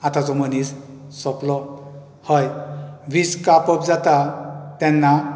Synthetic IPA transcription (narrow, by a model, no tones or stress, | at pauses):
at̪azɔmənis | sɔplɔ | hɔjbiskapɔp̚zat̪at̪ɛnːa